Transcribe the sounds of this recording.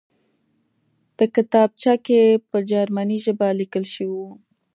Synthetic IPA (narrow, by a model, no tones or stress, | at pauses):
pəkɪt̪ɑb̚t͡ʃɑkepəd͡ʒɑɾmaniʒəbalikəlʃəwiu